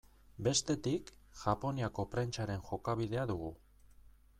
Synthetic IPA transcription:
be̞st̪e̞t̪ik | ʝapo̞niako̞pɾent͡ʃaɾe̞nʝo̞kaβ̞iðe̞aðuɣ̞u

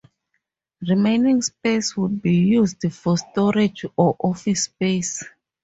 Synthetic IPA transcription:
ɹimenĩŋspeswud̚bijuzdfɔstɔɹed͡ʒɔʔɔfispes

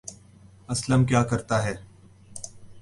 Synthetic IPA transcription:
ɐsləmkjaːkɐɾt̪aɦɛː

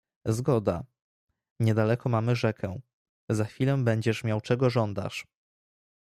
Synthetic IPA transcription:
zɡɔd̪a̰ | ɲɛd̪alɛkɔmamɘʐɛkʰɛ̃ | zaxfʲilɛbɛɲd͡ʑɛʂmʲjawt͡ʂɛɡɔʐɔnd̪a̰ʂ

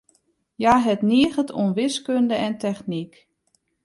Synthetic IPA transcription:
jaːɦɛtniəɣətʰṵnʋɪskøndəɛntɛxnik

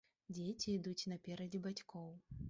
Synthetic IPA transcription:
d͡zʲet͡sʲiːd̪ut͡sʲnɐpʲɛɾɐd͡zʲibat͡sʲkʰɔw

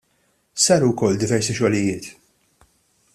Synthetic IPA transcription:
sɐːɾuwkɔlːd̪ɪvɛɾsiʃɔlɪjɪːt̪

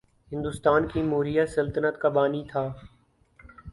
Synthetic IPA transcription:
ɦɪ̃nd̪ʊst̪aːnkiːmoːɾijaːsəlt̪ənət̪kabaːniːt̪ʰaː

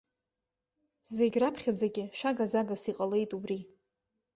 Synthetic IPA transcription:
zeɡʲrapʰχʲad͡zaɡʲɪʃᶣaɡazaɡasiqʼale̞jtʼubri

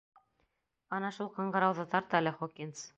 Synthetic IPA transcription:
ɑnɑʃulˠqɤ̆ɴɢɑ̆ɾɑwðɤt̪ɑɾt̪ɤælɘχokʲins

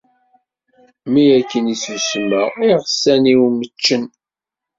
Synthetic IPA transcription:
mijækːənisusməʁiʁəsæniwmət͡ʃːən

